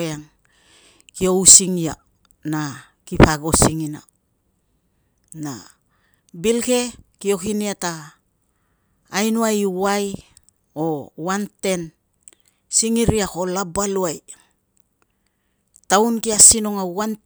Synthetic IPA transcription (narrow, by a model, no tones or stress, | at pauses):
aŋ | kio̞wsiŋia̰ | na | kipaɡo̞siŋina̰ | na̰ | bilke̞kio̞kiniata | jnuajwaj | o̞wante̞n | siŋiɾiako̞labaluaj | tawnkiasino̞ŋawan